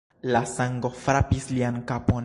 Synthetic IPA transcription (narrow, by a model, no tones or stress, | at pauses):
lasaŋɡo̞fɾapisliankapo